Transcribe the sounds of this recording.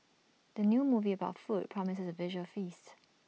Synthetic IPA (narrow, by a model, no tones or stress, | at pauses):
d̥ənjumuviəbaʊtfut̚pʰɹ̥ɔmɪsəsəvɪʒəlfist